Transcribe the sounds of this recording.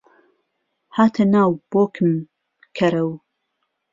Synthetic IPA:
haːt̪ʰɐnaːwb̥oːkʰɨm | kʰɐɾɐw

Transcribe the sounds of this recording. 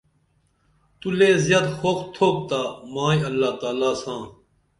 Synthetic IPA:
t̪uleːzjaːd̪xoːkʰt̪ʰoːk̚t̪aːmãːĩːɐlːaːt̪aːlaːsãː

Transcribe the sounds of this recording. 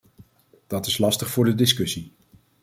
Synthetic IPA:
d̥ɑtɪslɑstəχfʊːɹdədɪskɵsi

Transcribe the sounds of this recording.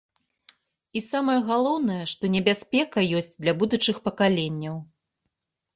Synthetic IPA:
isamɐjɐɣalˠɔwnɐjɛʂt̪ɔnʲɛbʲasʲpʲɛkɐjɔsʲt͡sʲd̪lʲɐbud̪ut͡ʂɨxpɐkalʲenʲːɐw

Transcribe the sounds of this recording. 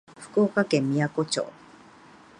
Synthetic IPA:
ɸɯ̥kɯokakemːiakot͡ɕo̰ː

